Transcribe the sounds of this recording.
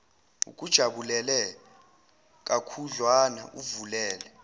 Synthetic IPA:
ṵk̬ʼud̥ʒ̥ʱaɓulɛlɛ | k̬ʼakʰuɮwana̰ʔuvulɛːlɛ

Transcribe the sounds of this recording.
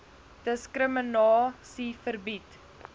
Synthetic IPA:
d̥əskrəmənɑːsifərbit

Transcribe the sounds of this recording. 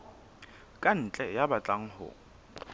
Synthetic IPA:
kʼan̩t͡ɬʼɛjabat͡ɬʼaŋ̩hʊ̰ːŋ̩

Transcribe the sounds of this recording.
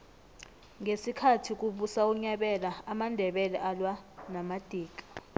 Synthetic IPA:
ŋesikʰatʰik̬ʼuɓusauɲaɓɛlaamandʱɛɓɛlɛʔalwanamad̥ʱiːk̬ʼḁ

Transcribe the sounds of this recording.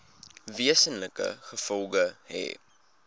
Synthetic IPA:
viəsənləkə̰χəfɔlˠɡəɦɛ̰ː

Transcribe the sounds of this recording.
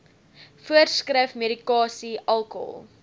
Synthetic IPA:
fuərskrəfmeɾikɑːsiʔɐlˠkɔ̰lˠ

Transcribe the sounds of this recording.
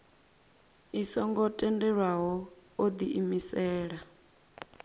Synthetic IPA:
isɔŋɡɔtʼɛndɛɺwaɦɔod̪iʔimisɛːɺa

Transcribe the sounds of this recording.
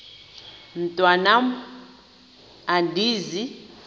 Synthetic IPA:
n̩tʼwanam | andiːzi

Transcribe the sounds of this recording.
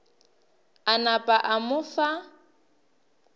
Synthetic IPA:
anapʼaʔamʊfa

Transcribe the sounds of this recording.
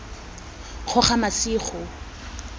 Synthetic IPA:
q͡χʰɔχamasiːχʰɔ

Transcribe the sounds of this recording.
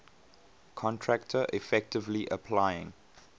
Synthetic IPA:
kʰɔ̃ntʰɹak̚tʰəʔifɛk̚tɪvliʔəpʰlaɪjɪ̰̃ŋ

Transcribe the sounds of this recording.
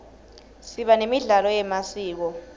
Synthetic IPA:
siɓanemiɮalɔjɛmasiːk̬ɔ

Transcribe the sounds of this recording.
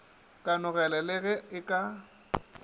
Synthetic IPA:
kʼanʊɣɛlɛlɛɣɛɪkʼa

